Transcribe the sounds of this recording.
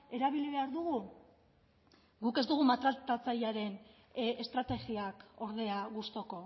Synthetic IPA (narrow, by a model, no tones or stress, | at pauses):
e̞ɾaβiliβe̞aɾðuɣ̞u | ɡuke̞zd̪uɣ̞umat̪ɾat̪at͡sajaɾe̞n | est̪ɾat̪e̞ɣiako̞ɾð̞e̞aɣust̪o̞ko̞